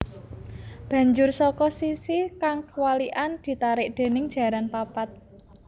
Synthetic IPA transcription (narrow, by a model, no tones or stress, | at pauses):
b̥ä̤ɲd͡ʒʊrsɔkɔsisikaŋkəwaliʔand̪̥i̤t̪aɾɪʔ̚d̪̥e̤nɪŋd̥ʒ̥ä̤ɾanpapat̪̚